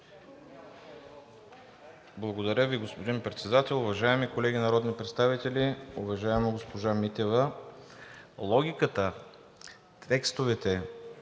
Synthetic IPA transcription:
blˠɐɡod̪ɐɾʲəviɡospod̪inpɾɛt̪sɛd̪at̪ɛlˠʊvɐʒaɛmikolɛɡinɐɾɔd̪nipɾɛt̪st̪avit̪ɛlʲiʊvɐʒaɛmoɡospoʒamit̪ɛvə | lˠɔɡʲikət̪ə | t̪ʰɛkst̪ovɛt̪ɛ

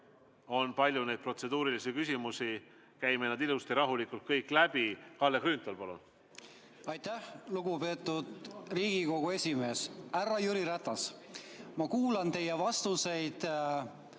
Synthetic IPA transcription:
o̞npɑlʲjune̞jd̪̚pro̞t̪se̞d̪̥uːɾilisikysʲimusi | kæjmenɑd̪ilust̪iɾɑɦulikːˑult̪̚kɤjkːˑlæb̥ikɑlːekrynt̪ˑɑlpɑlṵn | ɑjt̪æhluɡ̥upe̞ːt̪ːˑud̪̥riːɡ̥iko̞ɡ̥ue̞sʲime̞ːsærːɑjuɾiɾæt̪ːɑs | mɑkuːlɑnt̪e̞jevɑst̪use̞jd̪̥

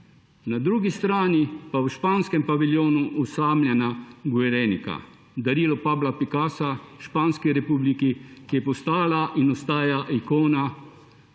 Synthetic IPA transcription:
nad̪ɾuːɡist̪ɾaːnipawʃpaːnskɛmpaʋiljoːnuʔɔsaːmlʲjɛnaɡuɛɾɛnika̰ | d̪aɾiːlɔpaːblapikaːsaʃpaːnskiɾɛpuːblikikijɛpɔst̪aːlaʔinɔst̪aːjaʔikoːna

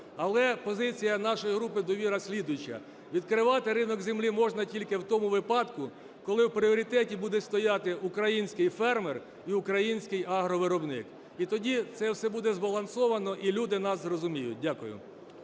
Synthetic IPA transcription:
ɐlˠɛpɔzɪt͡sʲijɐnɑʃɔjiɦɾupɪd̪ɔʋʲiɾɐsʲlʲid̪ʊjt͡ʃːɐ̰ | ʋʲid̪kɾɪʋɑt̪ɪɾɪnɔɡzʲɪmlʲimɔʒnɐtʲilʲkɪwt̪ɔmʊʋɪpɑd̪kʊ | kɔlˠɪwpɾʲɪɔɾʲit̪ɛtʲibud̪ɛst̪ɔjɑt̪ɪukɾɐjinʲsʲkɪjfɛrmɛr | iʊkɾɐjinʲsʲkɪjɑɦɾɔʋɪɾɔbnɪ̰k | it̪ɔdʲit̪sɛwsɛbud̪ɛzbɐlˠɐnsɔʋɐnɔʔilʲud̪ɪnɑszrɔzʊmʲijʊ̰t̚ʲdʲakʊjʊ̰

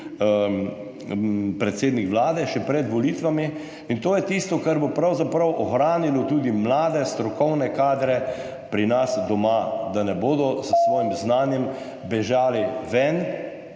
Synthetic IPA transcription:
pɾɛt̪seːd̪nikʋlaːd̪ɛʃɛpɾɛd̪ʋɔlit̪ʋami | int̪oːjɛt̪ist̪ɔkaɾbopɾawzapɾawʔɔxɾaːnilɔt̪uːd̪imlaːd̪ɛst̪ɾɔkɔwnɛkaːd̪ɾɛ | pɾinasd̪ɔmad̪anɛboːd̪ɔsəsʋɔːjimznaːnjɛm | bɛʒaːliʋɛn

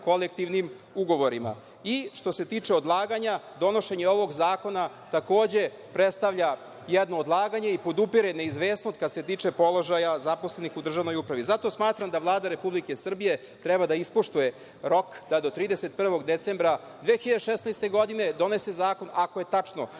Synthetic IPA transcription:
ko̞lek̚t̪iʋnim | uɡo̞ʋo̞ɾima̰ | iʃt̪o̞se̞t̪iːt͡ʂeod̪lˠaːɡaɲad̪o̞no̞ʃe̞ɲeo̞ʋo̞ɡzaːko̞na | t̪ako̞ːd͡ʑe̞ | pɾet̪st̪aʋʎa | jɛd̪no̞ːd̪lˠaːɡaɲe̞ipo̞d̪upiɾene̞izʋeːsnost̪̚kad̪se̞t̪iːt͡ʂe̞po̞lˠo̞ʒajazaposle̞nixud̪r̩ʒaʋnojupɾaʋizat̪o̞smaːt̪ɾamd̪aʋlˠaːd̪aɾe̞publike̞sr̩bije | t̪ɾɛbad̪aispoʃt̪uje | ɾo̞kd̪̥ad̪o̞t̪ɾiːd̪eset̪̚pr̩ʋo̞ɡd̪et̪seːmbɾa | d̪ʋeːxiʎad̪eʃesnajst̪e̞ɡo̞d̪ine̞d̪o̞ne̞se̞zaːko̞nʔako̞jet̪at͡ʂno̞̰

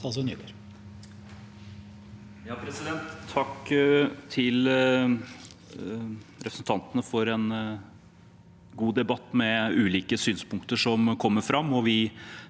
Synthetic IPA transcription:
ɑlsɔny̰d̪əɾ | jɑːpʰɾɛsɪd̪ɛnt̪ʰːɑkː | t̪ʰɪl | ɾɛpɾsn̩t̪ʰɑnt̪ənəfɔɾɛn | ɡuːd̪ɛbɑt̪ːmɛʉːliːkəsyːnspʊŋkt̪əʂɔmkʰɔmːəɾfɾɑmːɔʋɪ

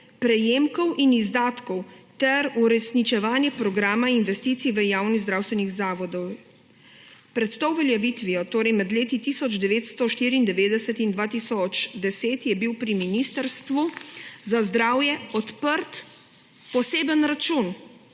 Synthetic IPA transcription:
pɾɛjeːmkɔwʔinizd̪aːt̪kɔwt̪ɛɾuɾɛsnit͡ʃɛʋaːnjɛpɾɔɡɾaːmainʋɛst̪iːt̪siʋəjaːwnizd̪ɾaːwst̪ʋɛniɣzaːʋɔd̪ɔw | pɾɛt̪t̪owʋɛljɛʋit̪ʋiɔt̪oːɾɛjmɛd̪leːt̪it̪isɔd͡ʒd̪ɛʋeːt̪st̪ɔʃt̪iːɾiːnd̪ɛʋeːd̪ɛsət̪ind̪ʋaːt̪isɔt͡ʃd̪ɛseːt̪jɛbiwpɾiminist̪əɾst̪ʋuzazd̪ɾaːwjɛɔt̪pəɾt̪ | pɔseːbənɾat͡ʃun

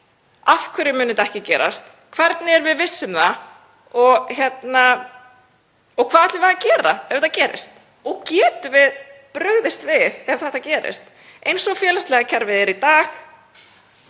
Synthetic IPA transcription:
afkʰvɪɾɪmʏːnɪmt̪aɛhcɪcɛ̰ːɾa̰st̪ | kʰvɛɾt̪nɪɛɾvɪðvɪsːʏmða | ɔɣçjɛt̪na | ɔɣkʰvaːðɛht̪lɪvaðacɛːɾa̰ɛv̥θacɛːɾɪ̰st̪ | ɔɣcɛːt̪ʏvɪðpɾœɣðɪst̪vɪðɛv̥θɛht̪ːacɛːɾɪ̰st̪ | ejnsɔɣfjɛːlast̪lɛɣacʰaɾvɪðɛɾit̪aːx

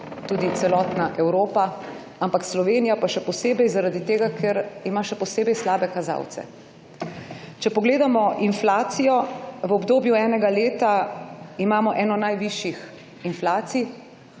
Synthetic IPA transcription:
t̪uːd̪it̪sɛlɔːt̪naʔɛwɾoːpa | ampakslɔʋeːnijapaʃɛpɔseːbɛjzaɾad̪it̪eːɡakʰɛɾimaʃɛpɔseːbɛjslaːbɛkaza̰wt̪sɛ̰ | t͡ʃɛpɔɡleːd̪amɔʔinflaːt̪sijɔʋɔbd̪oːbjuɛːnɛɡaleːt̪aimaːmɔʔɛːnɔnajʋiʃjix | inflaːt̪sij

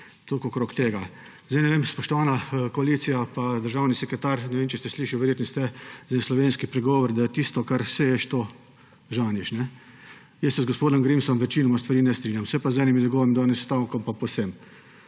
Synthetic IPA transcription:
t̪okokɾoːkt̪eːɡa | zd̪ɛjnɛʋeːmspɔʃt̪ɔʋaːnakɔaliːt̪sijapad̪əɾʒawnisɛkɾɛt̪aɾnɛʋeːmt͡ʃɛst̪ɛsliːʃawʋɛɾjeːt̪nɔst̪ɛzɛnslɔʋeːnskipɾɛɡɔːʋɔɾd̪ajɛt̪ist̪ɔkaɾsɛjɛʃt̪o | ʒaːniʃnɛ | jɛsɛzɡɔspoːd̪ɔmɡɾimsɔmʋɛt͡ʃiːnɔmast̪ʋɐɾiːnɛst̪ɾiːnʲjamsɛpazɛːniminjɛɡɔːʋimd̪aːnɛsst̪awkɔmpaposem

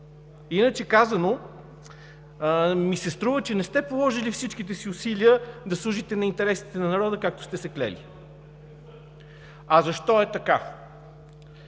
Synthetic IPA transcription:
inət͡ʃɛkazəno | misɛst̪ɾuvət͡ʃɛnɛst̪ɛpolˠɔʒilifsit͡ʃk̟it̪̬ɛsiʊsiliəd̪ɐslˠuʒit̪ɛnɐint̪ɛɾɛsit̪ɛnɐnɐɾɔd̪əkak̚t̪ʊ̥st̪ɛsɛklɛ̰lḭ | ɐzɐʃt̪ɔɛt̪ɐka

